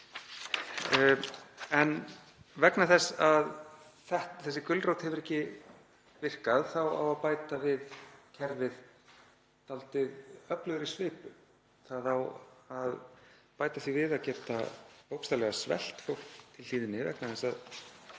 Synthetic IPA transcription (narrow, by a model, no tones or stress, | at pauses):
ɛn | vɛknaθɛsað | θɛht̪θɛsːɪkʏlrowt̪hɛvʏɾɛhcɪ | vɪr̥kaðθawa̰waðpaːjt̪avɪðcʰɛɾvɪð | t̪alt̪ɪðœplʏðʏɾɪsvɪːpʏ | θaðawaðpaːjt̪aθivɪðaðcɛːt̪ahowkst̪alɛɣasvɛ̰l̥t̪fowlkt̪ʰɪliːðɪnɪvɛ̰knaθɛsːað